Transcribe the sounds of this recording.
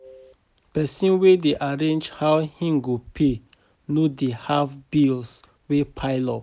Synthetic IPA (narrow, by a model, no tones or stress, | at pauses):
pɛsĩnwedeʔaɹẽnd͡ʒhawhĩŋɡopʰe | nodehafbils | wepʰaɪlɔp